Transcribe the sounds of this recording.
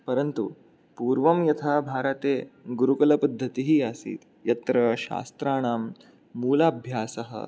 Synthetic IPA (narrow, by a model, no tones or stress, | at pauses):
pɐɾɐnt̪ṵ | puːɾʋɐmjɐt̪ʰaːbʱaːɾɐt̪eːɡuɾukɐlɐpɐd̪ʱːɐt̪iɦiasḭːt̪ | jɐt̪ɾɐʃa̰ːst̪ɾaːɳ̃aːmː | uːlaːbʱjaːsɐɦə̰